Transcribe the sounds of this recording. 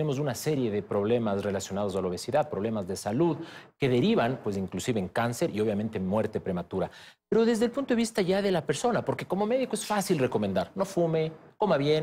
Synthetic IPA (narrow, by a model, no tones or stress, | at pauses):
ne̞mo̞s̬unase̞ɾje̞ðe̞pɾo̞βle̞masre̞lasjo̞nað̞o̞s̬alo̞βe̞siðaðpɾo̞β̞le̞mazðesaluðke̞ðe̞ɾiβanpwesiŋklusiβeːŋkanse̞ɾʔio̞βjamẽ̞nt̪emwe̞ɾt̪e̞pɾe̞mat̪uɾapeɾo̞ðe̞zðe̞lpunt̪oeβist̪aʝaðe̞lape̞ɾso̞napo̞ɾke̞ko̞mo̞me̞ðikoesfasilre̞ko̞me̞nd̪aɾno̞fume̞ko̞maβje̞n